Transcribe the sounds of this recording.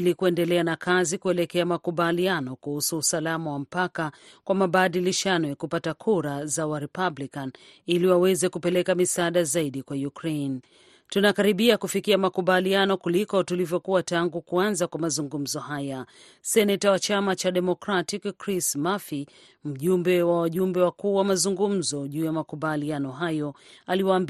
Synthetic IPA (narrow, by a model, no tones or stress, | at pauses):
likuɛndɛlɛanakazikuɛlɛkɛamakuɓalianɔkuhusuːsalamawam̩paka | kwamaɓaɗiliʃanɔjakupatakʰuɾazawaɾɛpablikan | iliwawɛzɛkupɛlɛkamisaaːɗazaiɗikwajukɾen | tunakaɾiɓiakufikiamakuɓalianɔkulikɔtulivjɔkuataŋɡukuanzakwamazuŋɡum̩zɔhaja | sɛnɛtawat͡ʃamat͡ʃaɗɛmɔkɾatikkɾismafi | m̩ʄumbɛwawaʄumbɛwakuːwamazuŋɡum̩zɔʄuːjamakuɓalianɔɦajɔaliwaːmb